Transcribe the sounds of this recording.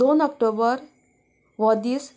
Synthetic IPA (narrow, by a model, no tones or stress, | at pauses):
onɔkʈobəɾ | ʋɔd̪is